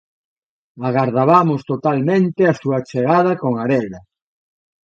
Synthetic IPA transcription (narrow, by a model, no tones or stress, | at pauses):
aɣaɾðaβamʊst̪ot̪almẽnt̪easuat͡ʃeɣað̞ɐkoŋaɾɛɣɾɐ